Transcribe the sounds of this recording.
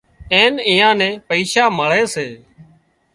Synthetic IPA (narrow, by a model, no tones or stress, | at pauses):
eːniːãːnẽːpəiːʃaːməɭeːseː